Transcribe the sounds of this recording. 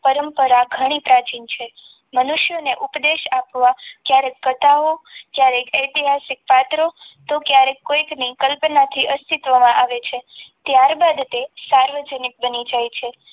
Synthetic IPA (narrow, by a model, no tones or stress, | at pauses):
pəɾəmpəɾaɡʱəɽ̃ipɾat͡ʃint͡ʃʰe | mənuʃjoneʔupd̪eʃapʋakjaɾekːət̪aokjaɾekʰəjt̪iɦasik̚pat̪ɾot̪okjaɾekːoiknikəlpnat̪ʰiʔəst̪it̪ʋəmãʔaʋet͡ʃʰet̪jaɾbad̪t̪esaɾʋəd͡ʒənik̚bənid͡ʒajt͡ʃʰe